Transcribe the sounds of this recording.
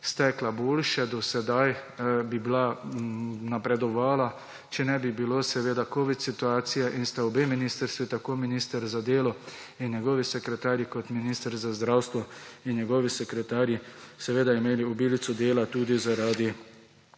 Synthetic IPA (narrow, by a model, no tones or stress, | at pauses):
st̪ɛklaboːlʃɛd̪ɔsɛd̪ajbibla | napɾɛd̪ɔʋaːla | t͡ʃɛnɛbibiloːsɛʋeːd̪akoːʋit̪sit̪uaːt̪sijaʔinst̪aubeminist̪əɾst̪ʋit̪akoːminiːst̪əɾzad̪eːlɔ | injɛɡɔːʋisɛkɾɛt̪aːɾjikɔt̪miniːst̪əɾzazd̪ɾawst̪ʋɔinjɛɡɔʋisɛkɾɛt̪aːɾjisɛʋeːd̪aimeːliɔbiːlit̪sɔd̪eːlat̪uːd̪izaɾaːd̪i